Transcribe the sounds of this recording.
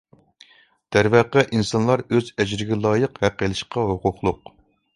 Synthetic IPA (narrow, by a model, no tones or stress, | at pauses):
d̪̥æɾvæqɛʔinsɑnlˠɑɾøzɛd͡ʒɾɪɡʲɛlˠɑːjəqhæqːelˠɨʃqɑɦoqʰʊχlˠʊq